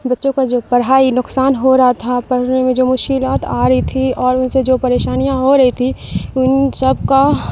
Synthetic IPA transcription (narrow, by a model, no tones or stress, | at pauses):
bɐtːʃõkad͡ʒoːpɐɽɦaːinʊksaːnɦoɾɐɦat̪ʰapɐɽ̤nemẽd͡ʒoːmʊʃkɪlaːt̪a̰ːɾɐɦit̪ʰiɔːɾʊnsed͡ʒoːpɐɾeːʃaːnijãɦoɾɐɦit̪ʰiʊnsɐbka